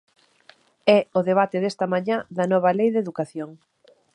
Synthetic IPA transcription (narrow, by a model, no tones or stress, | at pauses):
ɛʊðeβ̞at̪ɪðest̪ɐmaɲaðɐnɔβɐlejðeðukaθjoŋ